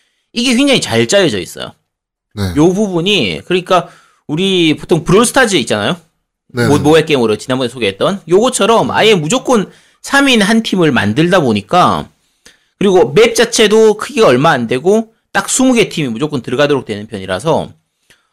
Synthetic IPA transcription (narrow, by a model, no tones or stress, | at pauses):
iɡe̞ɸɥeŋd͡ʑaŋit͡ɕaɭt͡ɕ͈ajed͡ʑʌḭs͈ʌ̰jo̰ | nejobubuɲikɯɾʌɲik͈a | uɾipotʰoŋpɯɾosʰɯ̥tʰad͡ʑiit͡ɕ͈anajo | omoek͈e̞moɾʌt͡ɕinanbʌnesʰoɡeɦet̚t͈ʌnjoɡʌt͡ɕʰʌɾʌma̰je̞mud͡ʑok͈ɯn | sʰaminɦantʰimɯɭma̰ndɯɭdaboɲik͈a | kɯɾiɡome̞p̚t͡ɕ͈at͡ɕʰe̞dokʰɯɡiɡaʌɭmaaːnde̞ɡo | t͈ak̚s͈ʰumuɡe̞tʰimimud͡ʑok͈ɯntɯɾɡadoɾok̚twe̞nɯnpʰjʌɲiɾa̰sʰʌ